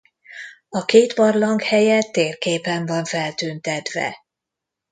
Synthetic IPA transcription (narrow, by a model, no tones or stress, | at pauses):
ɒkeːt̪bɒrlɒŋkhɛjɛt̪ːeːrkeːpɛɱvɒɱfɛlt̪yːnt̪ɛt̪vɛ̰